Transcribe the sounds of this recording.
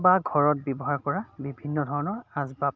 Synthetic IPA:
baɡʱɔɹɔt̚bɔbɔɦaɹkɔɹabibʱinːɔdʱɔɹɔnɔɹazbap

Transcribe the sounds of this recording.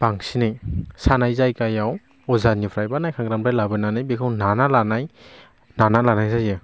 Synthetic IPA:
paŋsinɯjsanajzajkajaw | ɔzanipʰɾajbanajkʰaŋɡɾampajlabɯnanajbikʰawnanalanaj | nanalanajzajɯ

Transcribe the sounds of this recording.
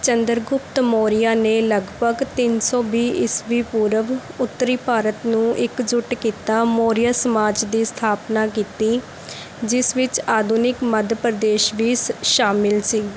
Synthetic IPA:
t͡ʃənd̪əɾɡʊpt̪moːɾɪjaːneːləɡbʱəɡt̪ɪnsɔːbiːɪsʋiːpuːɾəʋ | ʊt̪ːəɾiːpaːɾət̪nũːʔɪkd͡ʒʊʈkiːt̪aːmoːɾɪjaːsəmaːd͡ʒd̪iːst̪ʰaːpnaːk̬iːt̪iː | d͡ʒɪsʋɪt͡ʃaːd̪uːnɪkməd̪pɾəd̪eːʃʋiːsʃaːmɪlsiː

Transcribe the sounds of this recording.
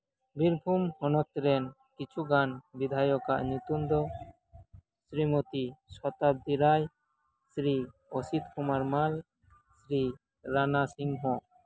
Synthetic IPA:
biɾbʱumhɔnɔk̚t̪ɾɛn | kit͡ʃʰuɡanbid̪ʱajɔka̰ʔɲut̪umd̪ɔ | sɾimot̪isɔt̪ab̚d̪iɾaj | sɾiosit̪̚kʰumaɾmal | sɾi | ɾanasiŋɦɔ̃

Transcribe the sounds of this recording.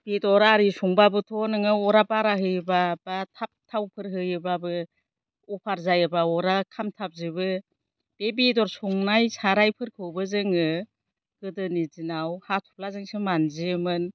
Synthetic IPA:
b̥edɔɾaɾisuŋbabɯtʰɔnɯŋɯɔɾapaɾaɦɯjɯbabatʰap̚tʰawpʰɯɾɦɯjɯbabɯ | ɔpʰaɾzajɯbaɔɾakʰamtʰap̚zibɯ | b̥ebidɔɾsuŋnajsaɾajpʰɯɾkʰɯwbɯzɯŋɯ | ɡ̥ɯdɯnizinawhatʰu̥p̚lazɯŋsɯmanzimɯn

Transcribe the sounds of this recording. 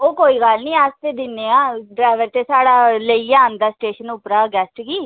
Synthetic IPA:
oːkoːiːɡəlnĩːaːst̪eːd̪ɪnːeːaːɖɾaːɪʋəɾt̪eːsaːɽaːləiːaːnd̪aːsʈeːʃənʊpɾaːɡɛːsʈɡiː

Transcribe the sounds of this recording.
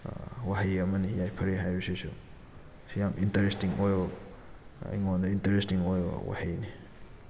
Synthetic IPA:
waɦijɐmɐnijajpʰɐɾeɦajbisusu | sijamʔintɐɾestiŋojo | ḭŋondɐintɐɾestiŋojo̰wa̰hijni

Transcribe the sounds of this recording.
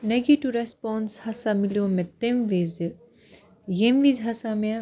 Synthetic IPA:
nɐɡiʈuɾespɔːnshɐsamɪlijõmẽt̪emʋiːz | jemʋiːzɦɐsamẽ

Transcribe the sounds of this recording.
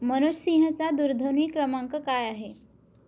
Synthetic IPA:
mənuɕsĩɦət͡sad̪uɾd̪ʱəɾiːkɾəmaŋkəkajaɦe

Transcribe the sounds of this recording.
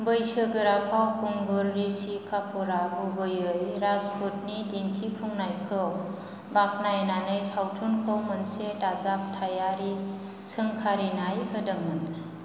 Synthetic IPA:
bɯjsɯɡɯɾapʰawkuŋɡulːisikʰapʰuɾaɡubɯjɯjɾazpʰut̚nidintʰipʰuŋnajkʰɯw | bak̚najnanɯjtʰawtʰunkʰɯwmɯnsetazap̚tʰajaɾi | sɯŋkʰaɾinajhɯdɯŋmɯn

